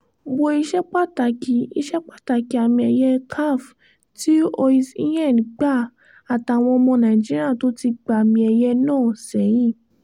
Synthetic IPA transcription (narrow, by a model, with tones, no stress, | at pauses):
bo˧i˧ʃɛ˦k͡pa˦ta˨ki˧i˧ʃɛ˦k͡pa˦˨ta˨ki˨a˨mĩ˧ɛ˧jɛ˦kʰa˦˨f | ti˦o˧i˧si˦jɛ˦˨ñ˨ɡ͡ba˦˨ | a˨ta˨˧˨w̃ɔ̃˧ɔ˧mɔ̃˧nã˨ĩ˨d͡ʒi˦ɾi˦a˦˨to˨˦ti˧ɡ͡ba˨a˨mĩ˧ɛ˧jɛ˦nãː˦˨sɛ˨˦j̃ĩ˦˨